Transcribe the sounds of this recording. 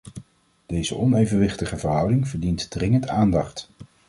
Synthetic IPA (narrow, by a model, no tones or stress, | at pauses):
d̥ejzə̰ʔɔnejvənʋɪχtəχəvəɹɦʌwdɪŋvəɹdintdrɪŋəntaːndɑχt